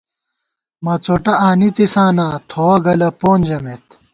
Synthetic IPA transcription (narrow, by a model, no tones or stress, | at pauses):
mɐt͡soʈɐaːnit̪isaːnaːt̪ʰoːɐɡɐlɐpoːnd͡ʑɐmet̪